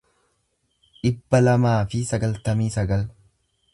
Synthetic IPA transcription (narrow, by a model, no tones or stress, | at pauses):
ᶑɪbːɐlɐmaːfɪsɐɡɐlt̪ɐmiːsɐɡɐl